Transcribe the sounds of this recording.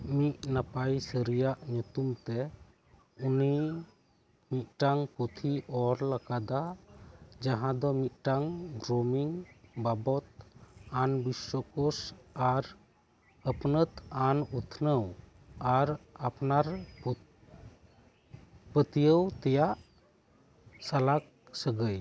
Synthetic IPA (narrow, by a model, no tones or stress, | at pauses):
miʔnapajsəɾijaʔɲut̪umt̪ɛ | uni | mit̪̚ʈaŋput̪ʰiʔɔɾlakad̪a | d͡ʒaɦãd̪ɔmit̪̚ʈaŋɡɾomiŋbabɔt̪̚anbiswɔkɔsaɾ | əpnət̪anut̪ʰnəw | aɾapnaɾp | pət̪ijəwt̪ɛjaʔ | salak̚ | səɡəj